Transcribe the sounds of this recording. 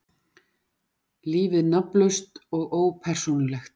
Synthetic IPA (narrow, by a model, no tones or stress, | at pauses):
liːvɪðnaplʏst̪ɔɣoːwpʰɛr̥sunʏlɛxt̪̚